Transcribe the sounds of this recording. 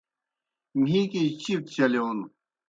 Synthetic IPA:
mĩːkit͡ɕit̪t͡ɕɐleonu

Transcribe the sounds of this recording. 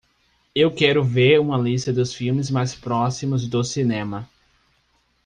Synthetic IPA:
ewkɛɾʊveɾũmɐlist̪ɐd̪ʊsfiwmɪzmajspɾɔsimʊzd̪ʊsinẽmɐ

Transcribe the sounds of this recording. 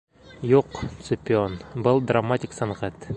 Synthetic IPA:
juqt̪sʊpʲɪonbɤlˠd̪ramatʲɪksɑnʁat̪

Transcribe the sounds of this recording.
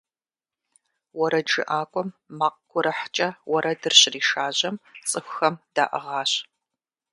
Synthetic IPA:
wɔɾɐd͡ʒɨ̰ʔaːkʷʼɔmːaːq̚ɡʷʊɾɐħt͡ʃʼɐwɔɾɐdɨrɕriːʃaːʑɐmt͡sʼɨxʷxɐmd̥aːʔɐ̰ʁɑːɕ

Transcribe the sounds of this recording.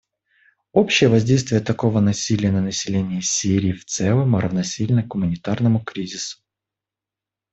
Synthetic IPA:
o̞pɕːɪjəvɐzʲdʲejst̪vʲɪjət̪ɐko̞vənɐsʲilʲɪjənənəsʲɪlʲenʲɪəsʲiɾʲɪːft̪sɛlˠəmɾəvnɐsʲilʲnəɡɡʊmənʲɪt̪arnəmʊkɾʲizʲɪsʊ̥

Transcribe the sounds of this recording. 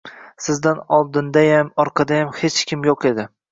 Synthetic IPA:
sɪzd̪anɒlˠd̪ɪnd̪ajamɒɾqʰɑd̪ajamhet͡ʃkʲʰɪmjoqʰe̞d̪ɪ

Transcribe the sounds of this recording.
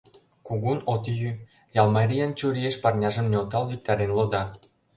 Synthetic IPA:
kuɣunot̪ijy | jɑlmɑɾʲijɑnt͡ɕuɾʲieʃpɑrnʲɑʒə̆mnʲeot̪ɑlβik̚t̪ɑɾenlod̪ɑ

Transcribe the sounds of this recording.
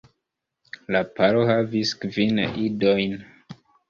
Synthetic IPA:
lapaɾohaviskvinidojn

